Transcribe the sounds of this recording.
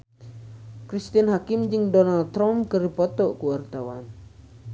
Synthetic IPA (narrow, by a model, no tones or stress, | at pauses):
kɾist̪ianɦakimd͡ʒɨŋdɔnaldt̪ːɾampkɨripɔt̪ɔʔkuwart̪awan